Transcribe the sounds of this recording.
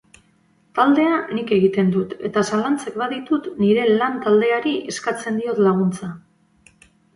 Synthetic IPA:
t̪ald̪e̞anike̞ɣ̞it̪e̞nd̪ut̪e̞̰t̪asalant͡sekbaðit̪ut̪niɾe̞lant̪ald̪e̞aɾiʔe̞skat͡se̞nd̪io̞t̪laɣ̞unt͡sa

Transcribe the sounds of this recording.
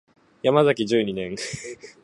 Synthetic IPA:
jamazakʲiʑɨːɲ̟inẽ̞ŋ

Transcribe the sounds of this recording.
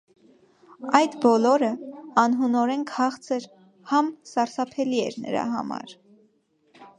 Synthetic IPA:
ɑjd̪bɔlɔɾəɑnɦunɔɾɛŋkʰhɑχt͡sʰəɾ | hɑmsɑɾsɑpʰɛliɛ̰ɾnə̰ɾɑ̰ɦɑ̰mɑ̰ɾ

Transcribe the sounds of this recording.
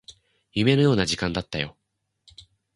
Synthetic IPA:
jɯ̟me̞nojo̞ːnaʑikãnd̪at̪ːajo̞̰

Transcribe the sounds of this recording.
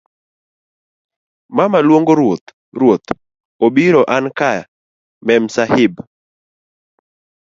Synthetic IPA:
mamalwoŋɡoot̪ | ɾwot̪ | obiɾɔʔankaja̰ | mɛm̩sahɪb

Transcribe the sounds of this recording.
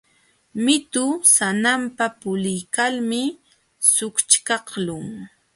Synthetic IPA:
mɪt̪ʊsanampapʊlɪjkalmɪ | sʊkt͡ʃkɑχlʊŋ

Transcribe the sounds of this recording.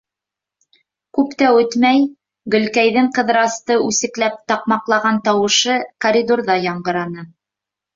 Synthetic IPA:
kʉpt̪æwɵt̪mæj | ɡɵ̆lkæjðɘŋqɤ̆ðɾɑst̪ɤʔʉsɘ̆klæp̚t̪ɑqmɑqlˠɑʁɑnt̪ɑwɤ̆ʃɤkoɾʲid̪orðɑjɑɴɢɤ̆ɾɑnɤ

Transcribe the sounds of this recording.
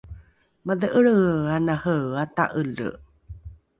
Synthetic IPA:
maðəʔəɭəanahəata̰ʔələ̰

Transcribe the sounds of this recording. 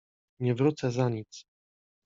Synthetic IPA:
ɲɛvɾut̪sɛzaɲit̪s

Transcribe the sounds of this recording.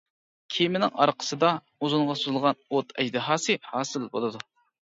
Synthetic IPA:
kʲʰimɪnɪŋɑɾqʰə̥sɨd̪ɑ | uzuɴʁɑsuzɨlˠʁɑnot̪ʰɛd͡ʒd̪ɨɦɑːsɨhɑːsɨlbo̰lˠɨd̪u

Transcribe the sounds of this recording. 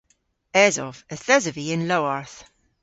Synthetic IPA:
ɛzɔvəθɛzəviɪ̃nlowaɹθ

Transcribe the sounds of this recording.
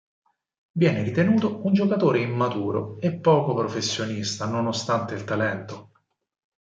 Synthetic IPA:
vjɛːneɾit̪enuːt̪ound͡ʒokat̪oːɾeimːat̪uːɾo̰epːɔːkopɾofesːjonist̪anonost̪ant̪eilt̪alɛnt̪o

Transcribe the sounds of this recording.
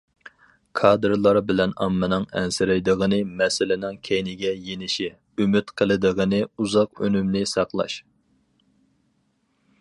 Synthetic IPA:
kʰɑd̪ɾlˠɑɾbɪlɛnɑ̰mːɨnɨŋɛ̰nsɪɾɪjd̪əʁənɨmɛsɪlɪnɪŋkʲʰejnɪɡʲɛjenɪʃi | ymyt̪qʰəlˠɨd̪əʁənɨuzɑqø̰nymnɪsɑqlˠɑ̰ʃ

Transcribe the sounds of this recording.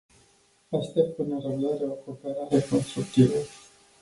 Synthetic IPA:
ast̪et̪̚pɨnəɾəbd̪aɾeoko̞ːpe̞ɾaɾeko̞nst̪ɾuk̚t̪ivə

